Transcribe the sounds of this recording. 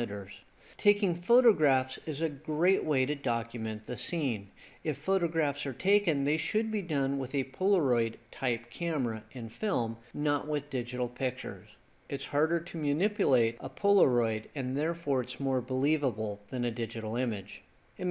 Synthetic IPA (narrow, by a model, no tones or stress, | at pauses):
ɨɾə˞z̥ | tʰeɪkɪ̃ŋfoʊɾɨɡɹæfsɨzɨɡɹeɪʔweɪɾɨdɑkjɨmɛ̃nðɨsĩnɨfoʊɾɨɡɹæfsə˞tʰeɪkɨ̃nðeɪʃɨd̚bidʌ̃nwəðɨpʰolˠə˞ɔɪd̚tʰaɪpkʰæmə˞ɨʔɪ̃nfɪlˠmnəʔwʔɪðdɪd͡ʒɨɾl̩ˠpʰɪk̚t͡ʃə̰˞z̥ | ʔɨtshɑɹɾə˞ɾɨmjɨnɪpjɨleɪɾʔəpʰʊlˠə˞ɔɪɾɨ̃nðɛɹfɔɹɨtsmɔɹbəlivəbl̩ˠðɨ̃nɨdɪd͡ʒɨɾl̩ˠɪ̃mɨ̥d͡ʒ̥ | ɨ